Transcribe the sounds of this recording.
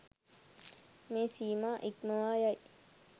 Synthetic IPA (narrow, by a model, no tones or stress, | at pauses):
mẽsiːmaːʔikməaːjaj